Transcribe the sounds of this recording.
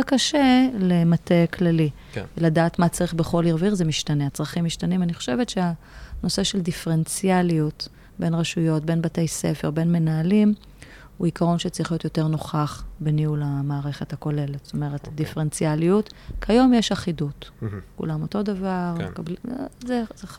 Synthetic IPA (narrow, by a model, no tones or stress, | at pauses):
kaʃe̞lemateklali | veladaːtmat͡saʁiχbeχo̞liʁviʁzemiʃtaneat͡sʁaχimːiʃtanimaniχo̞̥ʃe̞vetʃea | no̞se̞ʃeldifeʁent͡sjaliut | be̞nʁaʃujo̞tbe̞nbatejse̞̰feʁbe̞nme̞naːlim | uikaʁo̞nʃet͡sʁiχlio̞t̪jote̞ʁno̞χaχbeniulamaːʁe̞χethako̞le̞letst̪o̞meʁetdifent͡sjaliutkʰajo̞mjeʃaχidutkṵlamo̞to̞davaʁmekablizeze